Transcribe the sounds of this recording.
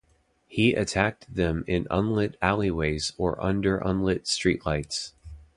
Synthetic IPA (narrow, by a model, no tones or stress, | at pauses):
hiʔɨ̰tʰæk̚tðɨ̃mɪ̃nʌ̃nlɪɾælˠiweɪzə˞ʔʌ̰̃ndə˞ʔʌ̰̃nlɪtstɹ̥iʔˡlaɪts